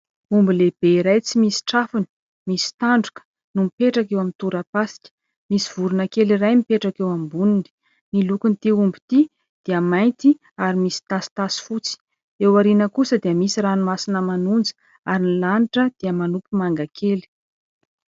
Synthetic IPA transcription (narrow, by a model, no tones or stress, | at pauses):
umbileb̥eɾajt͡simisi̥ʈ͡ʂafuni̥ | misi̥t̪aɳɖ͡ʐukə̥ | numipeʈ͡ʂakewamint̪uɾapasi̥kʲə̥ | misiv̥uɾunakelirajmipeʈ͡ʂakewambunini̥ | milukunit̪iumbit̪i | d̪̥iəmajnt̪i | aɾimisi̥t̪asi̥t̪asi̥fut͡si̥ | ewaɾinəkusəd̪iəmisiranumasinəmanund͡zə̥ | aɾinilaniʈ͡ʂəd̪̥iəmanupumaŋɡakʰeli̥